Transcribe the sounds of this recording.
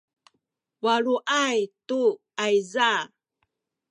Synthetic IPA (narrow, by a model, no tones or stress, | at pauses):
waɭuʔajtu | ajza